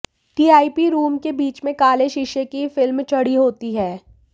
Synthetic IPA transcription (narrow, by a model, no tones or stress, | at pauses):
ʈiːaːipiɾuːmkebiːt͡ʃmẽkaːleʃɪʃekifɪlmt͡ʃɐɽiɦoːt̪iɦɛː